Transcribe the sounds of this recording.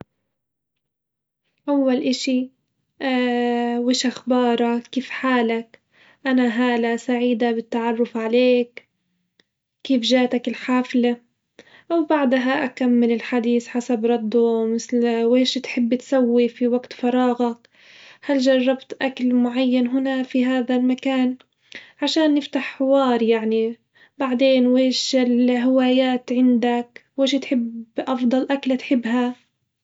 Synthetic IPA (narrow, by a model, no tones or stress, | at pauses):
ʔawːalʔɪʃi | ʔ | wɪːʃaxbɑːɾˤɑkiːfħaːlak | ʔanaɦaːlasaʕiːd̪abɪt̪ːaʕɑrˤːʊfʕaleːk | iːfʒaːt̪akɪlħaːfla | ʔawbaʕd̪ɦaʔakamːɪlɪlħad̪iːθħasabɾˤɑd̪ːʊmɪθlweːʃt̪ħɪbːt̪sawːifiwaɡt̪fɑɾˤɑːɣak | halʒɑrˤːɑbt̪ʔaklmʊʕajːanɦʊnafiɦaːðalmakaːn | ʕaʃaːnːɪft̪aħːɪwɑːɾˤjaʕni | baʕd̪eːnweːʃɪlɦɪwaːjaːt̪ʕɪnd̪akweːʃt̪ħɪbʔɑfd̪ˤɑlʔaklat̪ħɪbːɦa